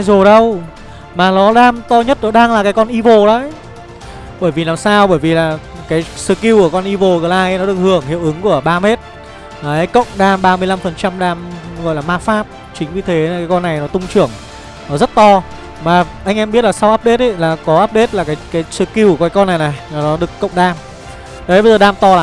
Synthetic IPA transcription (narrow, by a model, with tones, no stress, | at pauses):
zo˨˩ɗə˧w | maː˨˩nɔ˨˦ɗaː˧mt̪ɔ˧ɲə˦˥t̚nɔ˨˦ɗaː˧ŋlaː˨˩kaː˨˦jkɔ˧nʔi˧vo˨˩ɗaː˨˦ | ɓəː˧˩jvi˨˩laː˨˩msaː˧wɓəː˧˩jvi˨˩laː˨˩ | kaː˨˦jsɨ̰˧˩ki˧wku˧˩kɔ˧nʔi˧vo˨˩ɣɨ˨˩lʔaː˧jnɔ˨˦ɨ˨˩əkhɨ˧˩əŋhḭ˧˨əwʔɨ˨˦ŋku˧˩əɓaː˧me˦˥t̚ | aː˨˩ə˨˦jkə̰˧˨wŋ͡mɗaː˧mɓaː˧mɨ˧əjla˧mfə˨˩nt͡ɕa˧mɗaː˧mɣɔ̰˧˨jlaː˨˩maː˧faː˦˥p̚ | t͡ɕï˨˦ŋ̟vi˨˩t̪ʰe˨˦˨kaː˨˦jkɔ˧nːa˨˩jnɔ˨˦t̪ʊ˧ŋ͡mt͡ɕɨ˧˩əŋ | nɔ˨˦zə˦˥t̚t̪ɔ˧ | maː˨˩ʔa˧jŋ̟ʔɛ˧mɓi˦˥ət̚laː˨˩sa˧wʔaː˦˥p̚ɗe˦˥t̚ʔə˦laː˨˩kɔ˨˦ʔaː˦˥p̚ɗe˦˥t̚laː˨˩kaː˨˦jkaː˨˦jsɨ˧˩ki˧wkaː˨˦kɔ˧nːa˨˩jna˨˩jnɔ˨˦ɗɨ˨˩əkːə̰˧˨wŋ͡mɗaː˧m | ə˨˦ɓə˧jzəː˨˩ɗaː˧mt̪ɔ˧aː˨